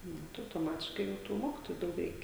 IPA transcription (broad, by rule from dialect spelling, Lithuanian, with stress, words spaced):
ˈnʊ tɐɪ ɐʊtoːˈmɑːtʲɪʃkɐɪ ˈjɛʊ tuː ˈmoːkʲɪtoːjʊ ˈdɐʊk ˈrʲɛɪkʲɛ